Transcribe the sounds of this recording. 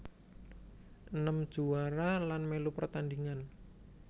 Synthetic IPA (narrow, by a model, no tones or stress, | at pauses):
ʔənəmd̥ʒ̥uaɾalanmelupərt̪and̪iŋan